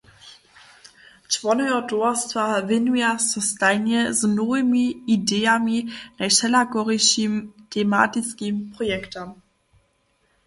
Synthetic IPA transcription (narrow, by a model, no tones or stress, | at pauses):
t͡ʃvɔnɔjɔdɔast̪vavɪnujasɔst̪ajnɛznɔvɪmiːdɛjaminajʃɛlakɔʁɛʃimtʰɛma̰tit͡skimpʁɔjɛktam